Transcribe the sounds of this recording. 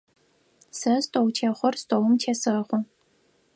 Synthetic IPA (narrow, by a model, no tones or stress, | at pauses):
sɐstʼowtʰeːχʷɔrstʼowʊmtʰeːsɨχʷɔ